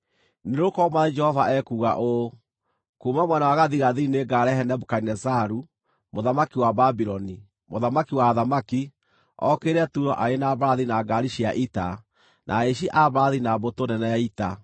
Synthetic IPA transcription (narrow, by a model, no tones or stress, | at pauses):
neɾokɔmaed͡ʒɛhɔvaʔɛkuːɣa̰ʔo | kumamwɛnawaɣaðiɣaðineɡaɾɛhɛnɛbukainɛsaɾu | moðamakiwababiɾɔni | moðamakiwaðamaki | ɔ̰keɾɛtuɾɔʔaenaβaaðinaɡaɾiʃiaʔita | nʔa̰eʃ̬iʔaβaaðinabotonɛnɛjaita